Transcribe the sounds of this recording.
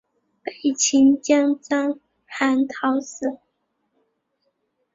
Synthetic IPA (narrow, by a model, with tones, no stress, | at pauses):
pe˨˩ɪt͡ɕʰi˧˥nt͡ɕjɑ˥ŋt͡sɑ˥ŋ | xa˧˥nt̪ʰɑ˧˥ʊs̩˨˩˦